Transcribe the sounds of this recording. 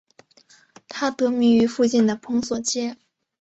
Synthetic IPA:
t̪ʰa˥t̪ɤ˧˥mi˧˥ŋy˧˥fu˥˧t͡ɕi˥˩nd̪ə˩pʰɤ˧˥ŋswɔ˨˩t͡ɕjɛ˥

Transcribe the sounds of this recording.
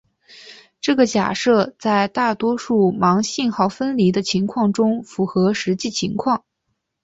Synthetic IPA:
ʈ͡ʂɤ˥˩ɡə˩t͡ɕja̰˨˩ʂɤ˥˧t͡sa˥˧ɪt̪a˥˩t̪wɔ˥ʂu˥˩mɑ˧˥ŋɕi˥˧nxɑ˥˩ʊfə˥nli˧˥d̪ə˧t͡ɕʰi˧˥ŋkʰwɑ˥˩ŋʈ͡ʂʊ˥ŋfu˧˥xɤ˧˥ʂɻ̩˧˥t͡ɕi˥˩t͡ɕʰi˧˥ŋkʰwɑ˥˩ŋ

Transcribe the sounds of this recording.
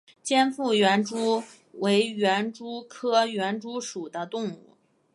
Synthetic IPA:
t͡ɕjɛ˥nfu˥˩ɥɛ˧˥nʈ͡ʂu˥ | we˧˥ɪɥɛ˧˥nʈ͡ʂu˥kʰɤ˥ɥɛ˧˥nʈ͡ʂu˥ʂu˨˩d̪ə˦t̪ʊ˥˧ŋṵ˥˩

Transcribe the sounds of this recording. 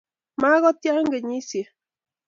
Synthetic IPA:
ma˦ɣɔ˦t̪ja˦ŋɡe˨ɲi˦sje˨

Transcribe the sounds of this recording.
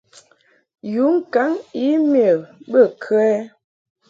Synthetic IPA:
ju˨˦ŋ̩˦ka˨˦ŋi˦mjə˨bə˦˨kʰə˦ɛ˦

